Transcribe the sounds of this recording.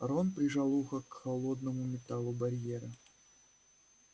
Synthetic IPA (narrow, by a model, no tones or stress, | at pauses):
ɾonpɾʲɪʐalˠuxəkxɐlˠod̪nəmʊmʲɪt̪alˠʊbɐɾʲjeɾə